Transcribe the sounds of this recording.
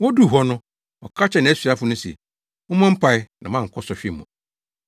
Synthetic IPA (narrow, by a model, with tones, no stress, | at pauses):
wɔ˦du˦˨ɦɔ˦nʊ̃˦ | ɔ̰˨kʰa˦t͡ɕʰɛ˨nã˨æ˦sɥa˦fʊ˨nʊ̃˦sɛ̰˨ | ʊ̃˦mã˦m̩˦pʰa˦ɪ˦nã˨mã˦˨ŋ̩˨kʰɔ˦sɔ˨ɕᶣɪ˦˨mũ˨